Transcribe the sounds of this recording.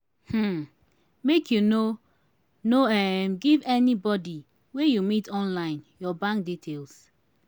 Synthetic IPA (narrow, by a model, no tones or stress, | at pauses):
hm̩ | mekʰjuno | noɛmɡivɛnibɔdi | wejumitɔ̃nlãɪ̃njɔbãŋk̚ditʰels